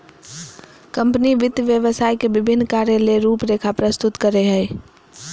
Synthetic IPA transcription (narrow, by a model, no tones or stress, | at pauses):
kəmpniʋɪd̪ʱjəʋjəʋəsaːjkebɪbʱɪnːkaɾjeleɾuːpɾekʰapɾəst̪ʊt̪kəɾeɦəj